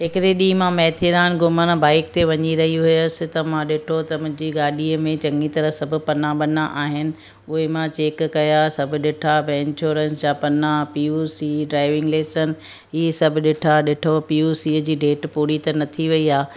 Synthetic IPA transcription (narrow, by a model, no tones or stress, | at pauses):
ɦɪkɪɾeɗiːmãmɛːt̪ʰiɾaːnɡʊməñbaːɪk̚t̪eʋɐɲiɾɐɦiɦʊjəsɪ̆t̪ɐmãɗɪʈʰot̪ɐmʊ̃ɦɪ̃ɲd͡ʑiɡaːɗiəmẽt͡ɕɐ̃ŋɡit̪ɐɾəɦsɐbʱʊ̆pɐnãɓɐnaʔaːɦɪnɪ̆ | ʊɦemãt͡ɕeːkːɐjasɐbʱʊ̆ɗɪʈʰabɛːɪnɕoːɾə̃nsd͡ʑãːpɐnãpiusiːɖɾaːɪʋɪ̃ŋɡleːsən̆ | ɪɦesɐbʱʊ̆ɗɪʈʰaɗɪʈʰopijusiːəd͡ʑiːɖeːʈpuːɾit̪ɐnɐt̪ʰiʋɐiaː